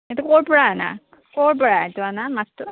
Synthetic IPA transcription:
et̪ukoɹpɔɹana̰ | koɹp̬ɔɹatuanamastʊ

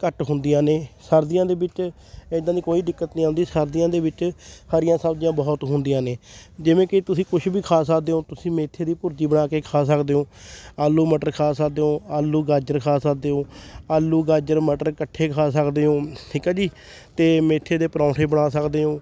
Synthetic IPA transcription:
kəʈɦʊnd̪ijãːneːsəɾd̪ɪjãːd̪eːbɪt͡ʃː | d̪ãːniːkoːiːd̪ɪkːət̪nĩːãːnd̪iːsəɾd̪ɪjãːd̪eːbɪt͡ʃhaɾɪjãːsəbd͡ʒjãːbɔːt̪ɦʊnd̪ijãːneːd͡ʒɪʋẽːkɪt̪ʊsĩːkʊʃbiːkʰaːsəkd̪eːɦõːt̪ʊsĩːmeːt̪ʰːeːd̪iːpʊɾd͡ʒiːbəɽaːkeːkʰaːsəkd̪eːɦõːaːlːuːməʈəɾkʰaːsəkd̪eːɦõːaːlːuːɡaːd͡ʒəɾkʰaːsək̚d̪eːɦõːaːlːuːɡaːd͡ʒəɾməʈəɾkəʈʰːeːkʰaːsəkd̪eːɦõːʈʰiːkaːd͡ʒiː | t̪eːmeːt̪ʰːeːd̪eːpəɾãːʈʰeːbəɳaːsəkd̪eːɦõː

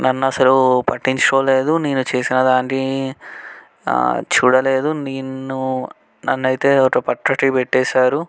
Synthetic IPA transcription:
nʔɐnːɐsɐlupɐʈːiɲt͡ʃɾoːle̞ːd̪uneːnut͡ʃe̞ːsinɐd̪aːɳʈi | t͡ʃuːɽɐle̞ːd̪uniːnːu | nɐ̰nːɐjit̪e̞ːokɐpɐʈɾɐʈipeʈːɛːsaːɾu

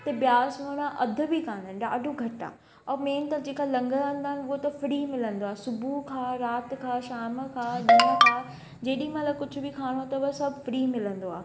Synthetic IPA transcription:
t̪ɐbjaːsmoːɽ̃ãʔɐd̪ʱʊ̆bikaːnənɗaːɖʱoɡʱɐʈa̰ː | ɔːmeːnt̪ɐd͡ʑeːkaːlɐ̃ŋɡəə̃nd̪aːɦɪnɪʊɦot̪ɐfɾiːmɪlə̃nd̪oaːesʊbʱukʰãːɾaːt̪kʰaːʃaːmkʰaːɗɐnəkʰãː | d͡ʑeːɗĩmãːlakʊd͡ʑʱʊ̆bikʰaːɽ̃oat̪ɐʋɐsɐbʱfɾiːmɪlə̃nd̪oaː

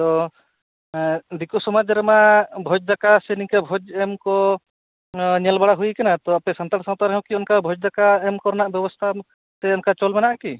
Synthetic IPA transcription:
t̪ɔ | d̪ikusɔmad͡ʒɾɛmabʱɔd͡ʒd̪akasɛnikabʱɔd͡ʒɛmkɔ | ɲɛlbaɽaɦujkanat̪ɔapɛsant̪aɽsãŋt̪aɾɦɔ̃kiɔnkabʱɔd͡ʒd̪akaɛmkɔɾnaʔbjɛbɔst̪ʰa | t̪ɛɔnkat͡ʃɔlmɛnaʔki

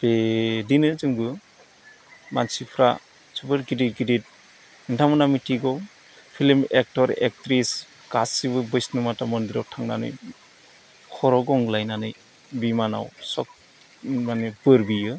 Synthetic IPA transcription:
b̥edinɯzɯŋɡɯ | ma̰nsipʰɾa̰ | sʰubɯɾɡidit̚ɡidit̚ | intʰamɯnamitʰiɡɔw | pʰilmek̚tɔɾḛk̚tɾis | ɡ̥asibɯbɯjsnɯmatamɔndiɾawtʰaŋnanɯ̰j | kʰɔɾɔɡɔŋlajnanɯj | bimana̰wsɔk̚ | manebɯɾbijɯ

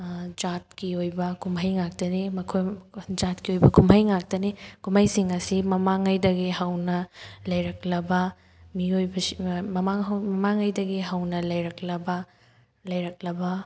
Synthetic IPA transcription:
d͡ʒat̚kiojbɐkʰumɦɐjŋak̚tɐnimɐkʰojd͡ʒatkiojbɐkʰumɐjŋak̚tɐnikumajsiŋɐsimɐmaŋɐjdɐɡihɐwnɐlɐjɾɐk̚lɐbɐ | miojbɐmɐmaŋmɐmaŋɐjdɐɡiɦɐwnɐlɐjɾɐk̚lɐbɐ | lɐjɾɐk̚lɐbɐ

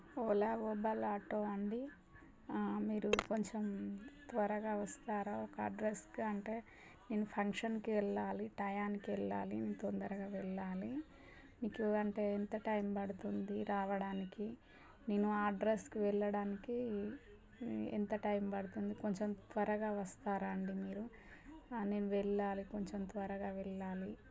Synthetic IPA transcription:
oːlaːʋoːbɐlaːʈoːɐɳɖi | miːɾuko̞ɲt͡ʃemt̪ʋɐɾɐɡaːʋɐst̪aːɾaːɔkɐ̰ɖɾeskɐɳʈe̞ː | neːnupʰɐŋkʂɐnkiʋɛɭːaːliʈɐjaːnikiʋɛɭːaːlinint̪ond̪ɐɾɐɡaːʋɛɭːaːli | miːkuɐɳʈe̞ːent̪ɐʈɐjmpɐɽut̪und̪iɾaːʋɐɽaːniki | ne̞ːnuaːɖɾeskiʋɛɭːɐɽaːniki | ɛ̰nt̪ɐʈɐjmbɐɽut̪und̪iko̞ɲt͡ʃemt̪ʋɐɾɐɡaːʋɐst̪aːɾaːɳɖimiːɾu | ne̞ːnuʋɛɭːaːliko̞ɲt͡ʃemt̪ʋɐɾɐɡaːʋɛɭːaːli

